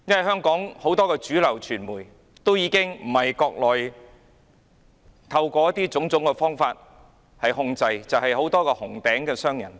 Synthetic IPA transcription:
jɐ˥nwɐ˨˩ɦœː˥ŋkɔː˨˥ŋho˨˥wt̪ɔː˥kɛː˧t͡ʃyː˨˥lɐ˨˩wt͡ʃʰyː˨˩nmuː˨˩j | t̪o˥wjiː˨˧kɪ˥ŋm̩˨˩hɐ˨jkɔː˧k̚lɔː˨j | t̪ʰɐ˧wkʷɔː˧jɐ˥t̪iː˥t͡sʊ˨˥ŋt͡sʊ˨˥ŋkɛ˧fɔː˥ŋfaː˧t̚ | hɐ˨jhʊ˧ŋt͡sɐ˧jt͡sɐ˨whɐ˨jɦo˨˥wt̪ɔː˥kɛː˧hʊ˨˩ŋt̪ɛː˨˥ŋkɛː˧sœː˥ŋjɐ˨˩n

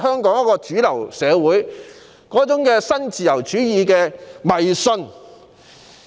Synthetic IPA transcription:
hœː˥ŋkɔː˨˥ŋjɐ˥kɔː˧t͡ʃyː˨˥lɐ˨˩wsɛː˨˧wuː˨˥j | kɔː˨˥t͡sʊ˨˥ŋkɛː˧sɐ˥nt͡siː˨jɐ˨˩wt͡ʃyː˨˥jiː˧kɛː˧mɐ˨jsɵ˧n

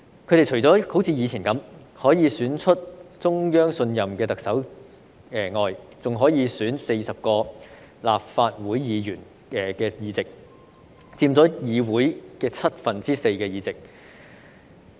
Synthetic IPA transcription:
kʰɵ˨˧˥ɾe˨˩jt͡ʃʰɵ˨˩jt͡sɔː˨˥ho˨˥wt͡sʰiː˧jiː˨t͡sʰiː˨˩nkɐ˨˥m | hɔː˨˥jiː˨˧syː˨˥nt͡ʃʰɵ˥t̚t͡sʊ˥ŋjœː˥ŋsɵ˧njɐ˨mkɛː˧t̪ɐ˨k̚sɐ˨˥w | ɛː˨ŋɔː˨jt͡sʊ˨ŋɦɔː˨˥jiː˨˧syː˨˥nse˧jsɐ˨p̚kɔː˧ | laː˨p̚faː˧t̚wuː˨˥jjiː˨˧jyː˨˩n | ɛ˨kɛː˧jiː˨˧t͡sɪ˨k̚ | t͡siː˧mt͡sɔː˨˥jiː˨˧wuː˨˥jkɛː˧t͡sʰɐ˥t̚fɐ˨nt͡siː˥se˧jkɛː˧jiː˨˧t͡sɪ˨k̚

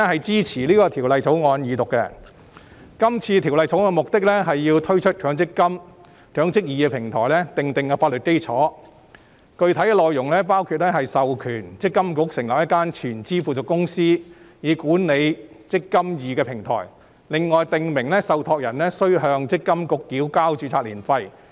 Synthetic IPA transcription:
ɛ˥hɐ˨jt͡siː˥t͡sʰiː˨˩liː˥kɔː˧t̪ʰiː˨˩wlɐ˨jt͡so˨˥wŋɔː˨˧njiː˨˧t̪ʊ˨kːɛ˧ | kɐ˥mt͡sʰiː˧t̪ʰi˨˩wlɐ˨jt͡so˨˥wɔ˨˧mʊ˨k̚t̪ɪ˥k̚lɛ˥ɦɐ˨jːiː˧wt̪ʰɵ˥ɥt͡ʃʰɵ˥t̚t͡ʃʰœː˨˥ŋt͡sɪ˥kːɐ˥m | t͡ʃœː˨˥ŋt͡sɪ˥k̚jiː˨kɛː˧pʰɪ˨˩ŋt̪ʰɔ̰ː˨˩jlɛ˥t̪ɪ˨ŋt̪ɪ˨ŋkɛ˧faː˧t̚lɵ˨t̚ke˥jt͡sʰɔː˨˥ | kɵ˧ɥt̪ʰɐ˨˥jkɛː˧lɔː˨jʊ˨˩ŋlɛː˥paː˥wkʰuː˧t̚lɛː˥ɦɐ˨jsɐ˨wkʰyː˨˩nt͡sɪ˥kːɐ˥mkʊ˧˥k̚sɪ˨˩ŋlɐ˨p̚jɐ˥t̚kːaː˥nt͡ʃʰyː˨˩nt͡siː˥fuː˨˩t͡sʊ˨kːʊ˥ŋsiː˥jiː˨˧kuː˨˥nne˨˧j | t͡sɪ˥kːɐ˥mjiː˨kɛː˧pʰɪ˨˩ŋt̪ʰɔ̰ː˨˩j | lɪ˨ŋːɔː˨jt̪ɪ˨ŋmɪ˨˩ŋlɛ˥sɐ˨wt̪ʰɔː˧k̚jɐ˨˩nlɛ˥sɵ˥ɥɦœː˧ŋt͡sɪ˥kːɐ˥mkʊ˨˥kːiː˨˥wkaː˥wt͡ʃyː˧˥t͡sʰaː˧t̚liː˨˩nfɐ˧j

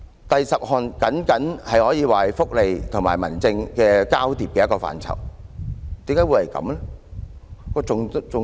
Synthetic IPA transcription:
t̪ɐ˨jsɐ˨p̚hɔː˨nkɐ˨˥nkɐ˨˥nhɐ˨jhɔː˨˥jiː˨˧waː˨hɐ˨jfʊ˥k̚le˨jt̪ʰʊ˨˩ŋma̰ː˨˩jmɐ˨˩nt͡sɪ˧ŋkɛː˧kaː˥wt̪iː˨p̚kɛː˧˦jɐ˥kɔː˧fa̰ː˨nt͡sʰɐ̰˨˩w | t̪iː˨˥mkaː˨˥jwu˨˧jhɐ˨˩jkɐ̰˨˥mlɛ˥ | kɔː˧t͡sʊ˨ŋt͡sʊ˨

